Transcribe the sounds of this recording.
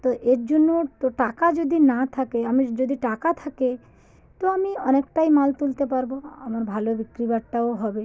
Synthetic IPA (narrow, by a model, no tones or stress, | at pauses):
t̪ɔʔeɾd͡ʑonːotoʈakad͡ʒod̪ʱinat̪ʰakeamid͡ʑod̪ʱiʈakat̪ʰake | t̪ɔamiɔnekʈajmalt̪ult̪epaɾboa̰maɾbʱalobikɾibaʈʈaoɦɔbe